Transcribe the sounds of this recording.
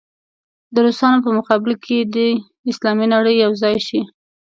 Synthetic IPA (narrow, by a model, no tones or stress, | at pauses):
d̪əɾosɑnop̬əmʊqɑbɪlkʰed̪ə | ɪslɑminaɽəjːawzɑjʃi